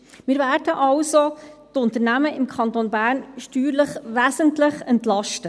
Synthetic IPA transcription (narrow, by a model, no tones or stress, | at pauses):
mɪːɾvæːɾdəʔɑlsotʊntəɾnæməɪmkʰɑnt̪onbæːɾnʃtyːɾləχʋæːsəntləχɛntlɑʃtə